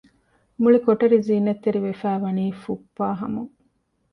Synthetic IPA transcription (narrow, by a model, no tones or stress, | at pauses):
muɭikoʈɐɾiziːnɐt̪ːeɾiʋefæːʋɐniːfupːaːɦɐmuŋ